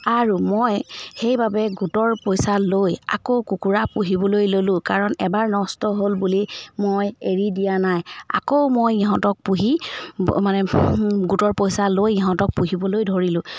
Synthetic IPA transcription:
aɹumojxejbabɛɡutɔɹpojsaloja̰kowkukuɹapuɦibɔlojlolʊ̃kaɹɔnɛbaɹnɔstɔɦolbulimojeɹidijanaja̰kowmojiɦɔ̃tɔk̚puɦimanɛɡutɔɹpojsalojiɦɔ̃tɔk̚puɦibɔlojdʱoɹilʊ̃

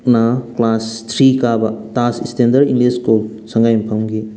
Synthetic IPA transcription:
naklastʰɾikabɐtasistendɐɾiŋleskul | sɐŋɡajmpʰɐmɡi

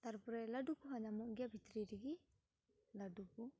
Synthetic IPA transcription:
t̪aɾpɔɾɛlaɖukuɦaɲamuʔɡjabʱit̪ɾiɾiɡi | laɖuku

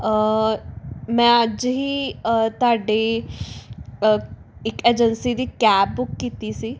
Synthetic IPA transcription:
ə | mɛ̃ːəd͡ʒɦiːət̪ʊaːɖe | əɪkeːd͡ʒənsid̪iːkɛːp̚bʊkːiːt̪isiː

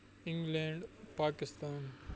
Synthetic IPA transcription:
ɪ̃ŋɡlẽːɳɖpaːkɪst̪aːn

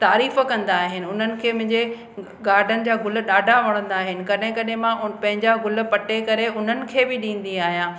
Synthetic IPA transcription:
t̪aːɾiːfkɐ̃nd̪aːɦɪnɪ̆ʊn̤ənɪ̆kʰeːmʊ̃ɦɪ̃ɲd͡ʑe | ɡaːɾɖʱənɪ̆d͡ʑaːɡʊl̆ɗaːɖʱaʋɐɽ̃ə̃nd̪aːɦɪnɪ̆kɐɗɦɪ̃kɐɗɦemãʊpɐ̃ɦɪ̃ɲd͡ʑaɡʊl̆pɐʈekɐɾeʊn̤ənɪ̆kʰeːbɪɗĩːn̆d̪iaːɦijãː

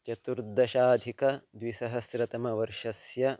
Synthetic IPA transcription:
t͡ʃɐt̪uɾd̪ɐʃaːd̪ʱikɐd̪ʋisɐɦɐsɾɐt̪ɐmɐʋɐɾʂɐsjɐ

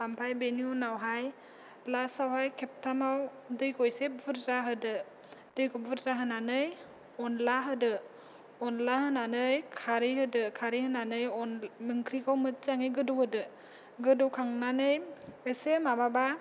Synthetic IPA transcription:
ampʰajbeniunawɦaj | plasawɦajkʰep̚tʰamaw | dɯjkɔjsevɯɾzaɦɯdɯ | dɯjkɔvɯɾzaɦɯnanɯj | ɔnlaɦɯdɯ | ɔnlahɯnanɯjkʰaɾihɯdɯkʰaɾihɯnanɯjɔnmɯŋkʰɾikʰawmɯt̚zaŋɯjɡɯdɔwhɯdɯ | ɡɯdɔkʰaŋnanɯjesemababa

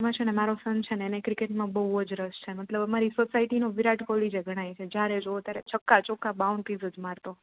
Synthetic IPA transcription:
mãt͡ʃʰenemaɾosənt͡ʃʰeneːnekɾikeʈmãbəɦuəd͡ʒɾəst͡ʃʰemət̪ləbəmaɾisosaiʈinoʋiɾaʈkʰolid͡ʒeɡʱəɽ̃ajt͡ʃʰed͡ʒjaɾed͡ʒoot̪jaɾet͡ʃʰəkːat͡ʃɔkabauɳɖt̪izəd͡ʒmaɾt̪o

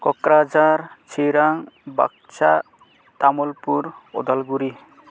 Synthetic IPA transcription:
kɔkɾad͡ʒaɾt͡ʃʰiɾaŋba̰k̚t͡ʃa | t̪amolpuɾɔ̰d̪alɡuɾi

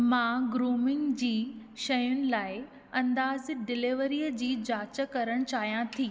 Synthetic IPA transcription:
mãːɡɾuːmɪŋɡd͡ʑiːʃɐjʊnɪ̆laːɪ | ɐ̃nd̪aːzɖɪlɪʋəɾiːjəd͡ʑiːd͡ʑaːt͡ɕə̆kɐɾəɽ̃t͡ɕaːɦijãt̪ʰiː

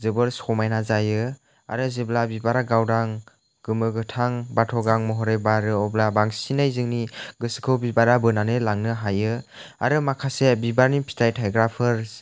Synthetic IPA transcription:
zɯbɯɾsɔmajnazajɯ | a̰ɾɯzɯblabibaɾaɡawdaŋ | ɡ̥ɯmɯɡɯtʰaŋbatʰɔɡaŋmɔɦɔɾejbaɾɯɔblabaŋsinajzɯŋniɡɯsɯ̥kʰɯwbibaɾabɯnanɯlaŋnɯɦajɯa̰ɾɯmakʰasebibaɾnipʰi̥tʰajtʰajɡɾapʰɯɾ

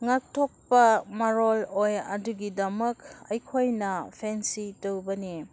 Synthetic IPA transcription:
ŋak̚tʰok̚pɐmaɾolojɐ̰duɡidɐmɐkɐjkʰojnɐpʰensitowbɐni

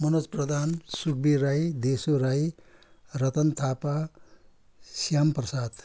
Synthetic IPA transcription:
mʌnosprʌd̪ʱansuk̚biɾajd̪esoɾaj | rʌt̪ʌnt̪ʰapa | sijamprʌsat̪

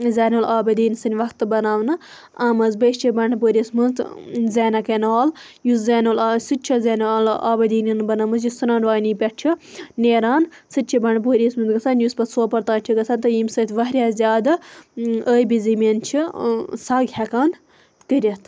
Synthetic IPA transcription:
zaːnoːlʔaːbɐd̪iːnsɨnʲʋɐkt̪ɨbɐnaːwnɨ | amɐzbəʃt͡ʃʰibɐɳpoːɾʲismɨnt̪zeːnɐkɐnaːl | juszeːnolsɨtt͡ʃʰɐzeːnaːla̰ːbɐd̪iːninbɐnaːmɨs̬jusɐnaːnʋaːnipʲɐʈ̚t͡ʃʰineːɾaːn | sɨt̪ʲt͡ʃʰibɐɳp̬oːɾʲiːsmɨnt̪ɡɐt͡sʰanjuspɐsoːpɐɾt̪aːnt͡ʃʰiɡɐt͡sʰaːnt̪ɐjimsɐt̪ʰʲʋɐɦɾʲjaːzʲjaːd̪ | əːbizimʲent͡ʃʰisaɡʱʲakaːn | kəɾʲɐt̪ʰ

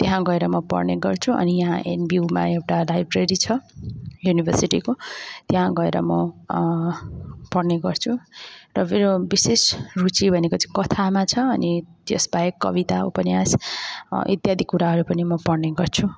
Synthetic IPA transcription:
t̪eɦãɡʌeɾʌmʌpʌ̰rneɡʌrt͡sʰuʔʌ̰nijʌɦãʔenbiuma̰ewʈalajbreɾit͡sʰʌjunibʱʌrsiʈikot̪eɦãɡʌḛɾʌmʌ | pʌrneɡʌrt͡sʰurʌmeɾobisesrut͡sibʱʌnekot͡sãkʌt̪ʰamat͡sʰʌːnit̪josbaekːʌ̰bit̪aṵpʌnjas | ʔḭt̪jad̪ʱikːuɾaɦʌɾupʌnimʌpʌrneɡʌrt͡sʰu

